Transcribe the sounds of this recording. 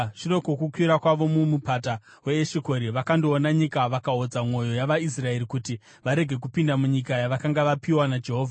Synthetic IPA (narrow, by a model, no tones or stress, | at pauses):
ʐire̞kokukwiɾakwaʋo̞mumupata | we̞ːʃeko̞ɾiʋakando̞ːnaɲikaʋakaɦod͡zamwo̞jo̞jaʋais̬rae̞ɾikuti | ʋaɾe̞ɡʱe̞k̬upindamuɲikajaʋakaŋɡaʋapiwanad͡ʒe̞ɦo̞ːvʱa